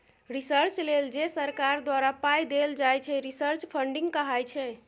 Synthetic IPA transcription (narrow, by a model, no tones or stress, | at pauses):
ɾisəɾt͡ʃleld͡ʒesəɾkaɾd̪waɾapajd̪eld͡ʒajt͡ʃʰɛɾisəɾt͡ʃpʰəɳɖiŋɡkəɦajt͡ʃʰɛ